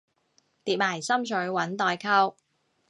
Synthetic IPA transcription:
t̪iː˨˩p̚maː˨˩jsɐ˥mt͡ʃʰɵ˨˥ɥwɐ˨˥nt̪ɔː˨jkʰɐ˥w

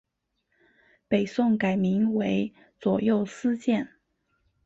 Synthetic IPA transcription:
pe˨˩ɪsʊ˥˩ŋka˨˩ɪmi˧˥ŋwe˧˥ɪ | t͡swɔ˨˩jo˥˩ʊsɹ̩˥t͡ɕjɛ˥˩n

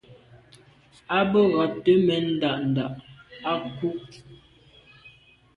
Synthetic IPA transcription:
a˦bə˦ɣɔ˨tːə˦mɛ˨n̩˦da˨ʔn̩˨da˨ʔa˦ku˦ʔ

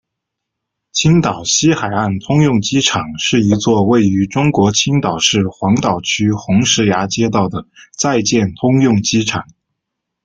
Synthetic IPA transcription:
t͡ɕʰi˥ŋt̪ɑ˨˩ʊɕi˥xa˨˩ɪa˥˩nt̪ʰʊ˥ŋjʊ˥˩ŋt͡ɕi˥ʈ͡ʂʰɑ˨˩ŋʂɻ̩˥˩i˧˥t͡swɔ˥˧we˥˩ɪy˧˥ʈ͡ʂʊ˥ŋkwɔ˧˥t͡ɕʰi˥ŋt̪ɑ˨˩ʊʂɻ̩˥˩xwɑ˧˥ŋt̪ɑ˨˩ʊt͡ɕʰy˥xʊ˧˥ŋʂɻ̩˧˥ja˧˥t͡ɕjɛ˥t̪̬ɑ˥˩ʊd̪ə˩t͡sa˥˧ɪt͡ɕjɛ˥˩nt̪ʰʊ˥ŋjʊ˥˩ŋt͡ɕi˥ʈ͡ʂʰɑ˨˩˦ŋ

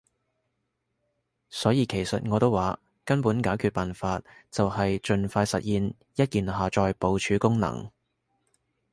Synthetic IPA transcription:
sɔː˨˥jiː˨˧kʰe˨˩jsɐ˨t̚ŋɔː˨˧t̪o˥waː˨˥ | kɐ˥npuː˨˥nkaː˨˥wkʰyː˨˧t̚paː˨nfaː˧t̚t͡sɐ˨whɐ˨jt͡ʃɵ˨˧nfaː˧jsɐ̰˨t̚jiː˨˧n | jɐ˥t̚kiː˨nɦaː˨t͡ʃɔː˧jpo˨˧wt͡ʃʰyː˨˧kʊ˥ŋnɐ̰˨˩ŋ

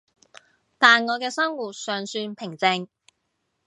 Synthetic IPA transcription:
t̪aː˨nŋɔː˨˧kɛː˧sɐ˥ŋwuː˨t̚sœː˨ŋsyː˧npʰɪ˨˩ŋt͡sɪ˧ŋ

